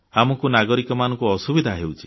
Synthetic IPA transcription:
amɔkunaɡɔɾikɔmanɔ̃ŋkuɔsubid̪ʱaɦewt͡ʃʰi̥

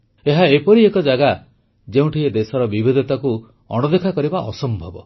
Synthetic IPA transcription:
eɦaepɔɾiekɔd͡ʒaɡa | d͡ʒeũʈʰied̪esɔɾɔbibid̪ɔt̪aku | ɔ̰ɽ̃ɔd̪ekʰakɔɾibaʔɔsɔmbʱɔbɔ

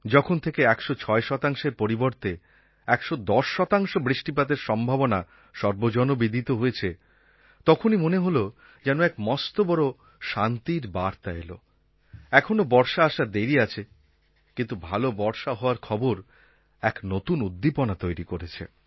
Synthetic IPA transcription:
d͡ʑɔkʰont̪ʰekeɛkʃot͡ɕʰɔeʃɔt̪aŋʃeɾpoɾiboɾt̪e | ɛkʃod̪ɔʃːɔt̪aŋʃobɾiʃʈipad̪eɾʃɔmbʱabona | ʃɔɾbod͡ʑɔnobid̪ʱit̪oɦoet͡ɕʰe | t̪ɔkʰonimoneɦolo | d͡ʑɛnoɛkmɔst̪obɔɾo | ʃant̪iɾbaɾt̪aelo̰ | ɛkʰonobɔɾʃaaʃad̪eɾiat͡ɕʰe | kĩnt̪ubʱalobɔɾʃaɦɔoaɾkʰɔboɾ | ɛknot̪unud̪ːiponat̪ojɾikoɾet͡ɕʰḛ

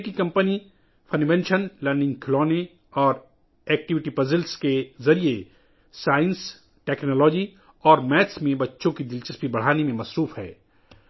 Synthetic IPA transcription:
kikɐ̃mpəni | fʰɐnʋɛ̃nʃənlɐɾnɪ̃ŋɡkʰɪlɔːne | ɔːɾ | ɛːk̚ʈɪʋɪʈipɐzɪlskezɐɾie | saːɪ̃ns | ʈɛːknɔːlɔːd͡ʒi | ɔːɾmɛːsmẽbɐtːʃõkid̪ɪlt͡ʃəsbʱibɐɽ̤aːnemẽmɐsɾuːfɦɛ̰ː

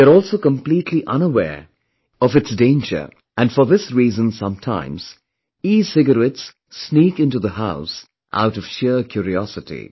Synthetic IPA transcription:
əɾɔlˠsoʊkə̃mpl̥itʰˡliʔʌ̃nəwɛ̰ɹ | ʌvɨtsdẽɪ̃nd͡ʒə̰˞ | ʔɨ̃nfə˞ðɪsɹiːzə̃nsʌ̰̃mtʰã̰ɪ̃mz̥ | iz̥sɪɡəɾɛtsː | nikɪ̃ntuðəhaʊs | ʔa̰ʊɾʌv̥ʃɪɹkʰj̥ʊɹiɔsɨtḭ

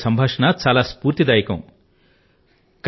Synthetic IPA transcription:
sɐmbʱaʂnat͡salaspuːɾt̪id̪ajkɐ̰̃w̃ | k

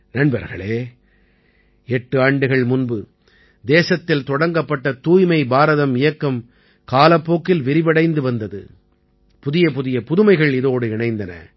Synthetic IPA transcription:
nɐɳbɐɾɣɐ̰ɭeː | ɛʈːɯaːɳɖɯɣɐɭmʊnbɯ | d̪eːsɐt̪ːɪlt̪ɔɽɐŋɡɐpːɐʈːɐt̪uːjmɐɪbaːɾɐðɐmɪjɐkːɐm | kaːlɐpːoːkːɪlʋɪɾɪʋɐɽɐɪnd̪ɯʋɐnd̪ɐðɯ̰ | pʊðɪjɐpʊðɪjɐpʊðɯmɐɪɣɐɭɪðoːɽɯɪɳɐɪnd̪ɐnɐ̰

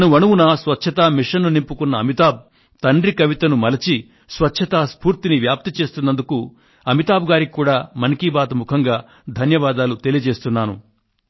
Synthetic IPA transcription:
nuʋɐnuwunɐsʋɐtːt͡ʃʰɐt̪aːmiʂɐnːunimpukunːɐɐmit̪aːb̚ | t̪ɐɳɖɾikɐʋit̪ɐnumɐlɐt͡ʃi | sʋɐtːʃʰɐt̪aːspuːɾt̪iniʋjaːp̚t̪it͡ʃe̞ːst̪unːɐnd̪uku | ɐmit̪aːbɡaːɾikʲikːuːɽaːmɐnkibaːt̪ɐmukʰɐŋɡaː | d̪ʱɐnjɐʋaːd̪aːlut̪e̞lijɐd͡ʒe̞ːst̪unːaːnṵ

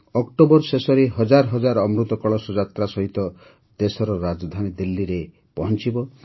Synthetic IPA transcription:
ɔkʈobɔɾsesɔɾeɦɔd͡ʒaɾɦɔd͡ʒaɾɔmɾut̪ɔkɔɭɔsɔd͡ʒat̪ɾasɔɦit̪ɔ | d̪esɔɾɔɾad͡ʒɔd̪ʱanid̪ilːiɾe | pɔɦɔnt͡ʃibɔ

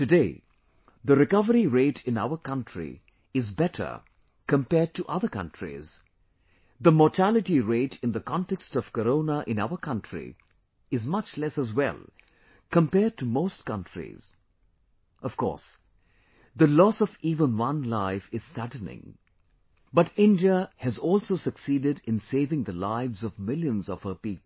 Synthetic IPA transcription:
tɨdeɪ | ðəɾɪkʌvəɾiɹeɪtʰɪ̃na̰ʊə˞kʌ̃ntɹ̥ḭ | ɪzbɛɾʰə̰˞ | kə̃mpɛːd̚tuʔʌðəkʌ̰̃ntʰɹ̥ḭz̥ | ðəmɔtʰælɨʈiɹeɪʈɨ̃nd̪əkʰɑ̃ntɛkstɔv̥kəɾõʊnəʔɪ̃naʊə˞kʰʌ̃ntʰɹḭ | ɨzmʌt͡ʃlɛsəzwɛ̰lˠ | kə̃mpɛɹd̚tʰəmoʊst̚kʌ̃ntɹ̥ḭz̥ | ʔʌv̥kʰɔ̰ɹs | ðəlɔsʌviːvə̃nwʌ̃nlaɪfɨz̥sædⁿnɪ̰̃ŋ | bʌɾɪ̃ndiəhɨzɔlˠsoʊsɨksiːdɨɾɨ̃nseɪvɪ̃ŋðəlaɪvzʌvmɪlˠjə̃nzʌv̥həpipl̩ˠ

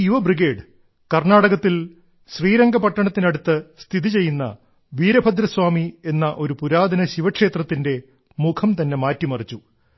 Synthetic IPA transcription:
juʋɐbriɡe̞ːɖ | kɐrnaːɽɐɣɐt̪ːil | ɕriːɾɐŋɡɐpɐʈːɐɳɐt̪ːinɐɽut̪ːɨst̪ʰiðit͡ɕe̞jːunːɐ̰ | ʋiːɾɐbʱɐd̪ɾɐswaːmie̞nːɐʔo̞ɾupuɾaːd̪ʱɐnɐɕiʋɐkʂe̞ːt̪rɐt̪ːinde̞ | mukʰɐmt̪ɐnːe̞maːtːimɐrit͡ɕːu

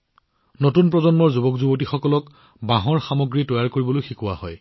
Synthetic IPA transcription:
notunpɹɔzɔnmɔɹzubɔkzubotixɔkɔlɔk | baɦɔɹxamɔɡɹitɔjaɹkoɹibɔlojxikʊwahɔj

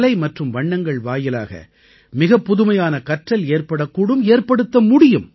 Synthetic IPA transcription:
lɐɪmɐʈrɯmʋɐɳːɐŋɡɐɭʋaːjɪla̰ːɣɐ̰ | mɪɣɐpːʊðʊmɐjaːnɐkɐʈrɐleːrpɐɽɐkːuːɽɯmeːrpɐɽɯt̪ːɐmʊɽɪjɯm

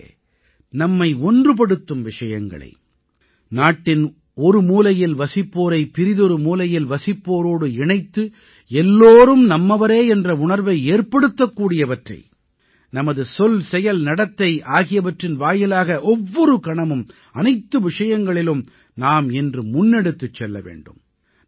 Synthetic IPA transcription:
nɐmːɐɪɔndrɯp̬ɐɽɯt̪ːɯmʋɪʂɐjɐ̰ŋɡɐ̰ɭɐ̰ɪ | naːʈːɪn | ɔɾɯmuːlɐjɪlʋɐsɪpːoːɾɐɪpɪɾɪðɔɾɯmuːlɐjɪlʋɐsɪpːoːɾoːɽɯɪɳɐɪt̪ːɯ | ɛlːoːɾɯmnɐmːɐʋɐɾeːɛndrɐʊɳɐɾʋɐɪeːrpɐɽɯt̪ːɐkːuːɽɪjɐʋɐʈrɐ̰ɪ | nɐmɐðɯsɔlsɛjɐlnɐɽɐt̪ːɐɪʔaːɣɪjɐʋɐʈrɪnʋaːjɐlaːɣɐʔɔʋːɔɾɯkɐɳɐmɯm | ɐnɐɪt̪ːɯʋɪʂɐjɐŋɡɐɭɪlɯm | naːmɛndrɯmʊnːɛɽɯt̪ːɯt͡ʃːɛlːɐ̰ʋḛːɳɖɯ̰m

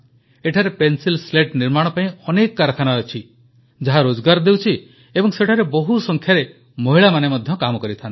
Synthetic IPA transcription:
eʈʰaɾepensilsleʈniɾmaɽ̃ɔpaĩɔnekɔkaɾɔkʰanaɔt͡ʃʰi | d͡ʒaɦaɾod͡ʒɔɡaɾɔd̪ewt͡ʃʰi | ebɔŋseʈʰaɾebɔɦusɔŋkʰjaɾe | moɦiɭamanemɔd̪ʱjɔkamɔkɔɾit̪ʰant̪

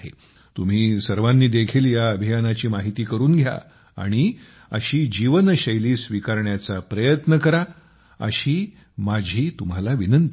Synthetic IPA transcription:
ɦḛ | t̪um̤iːsəɾʋanːiːd̪ekʰiːljaəbʱijanat͡ɕiːmaɦit̪iːkəɾuːnɡʱja̰ | a̰ɽ̃i | ə̰ɕiːd͡ʑiʋənɕəjliːsʋikaɾɳjat͡sapɾəjət̪nəkəɾa | ə̰ɕiː | mad͡ʑʱiːt̪um̤alaʋinənt̪

